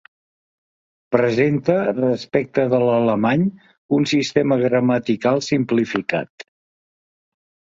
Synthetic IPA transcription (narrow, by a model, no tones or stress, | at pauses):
pɾəzent̪ərəspɛk̚t̪əðələləmaɲ | unsist̪eməɣɾəmət̪ikalˠsimplifika̰t̪